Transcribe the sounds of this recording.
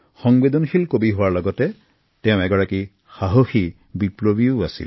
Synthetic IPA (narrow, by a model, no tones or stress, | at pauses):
xɔŋbedɔnxʰilkobiɦʊwaɹlɔɡɔtɛ | tɛʊ̃ɛɡɔɹaki | xaɦoxi | biplobioa̰sḭl